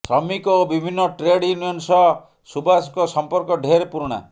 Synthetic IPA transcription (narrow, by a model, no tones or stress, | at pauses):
sɾɔmikobibʱinːɔʈɾeɽjunijɔnsɔ | subaskɔsɔmpɔɾkɔɖʱeɾepuɾɽ̃a̰